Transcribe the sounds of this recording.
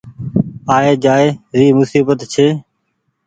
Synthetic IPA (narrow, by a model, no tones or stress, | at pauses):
aːeːd͡ʒaːeːɾiːmʊsiːbət̪t͡ʃʰeː